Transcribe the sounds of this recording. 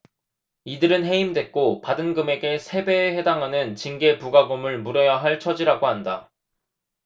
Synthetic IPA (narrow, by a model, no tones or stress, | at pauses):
idɯɾɯnɦe̞imdwe̞t̚k͈opadɯnɡɯme̞ɡe̞sʰe̞be̞ːhedaŋɦanɯnt͡ɕiŋɡe̞puɡaɡomɯɭmuɾejaɦaɭt͡ɕʰʌd͡ʑiɾaɡoɦanda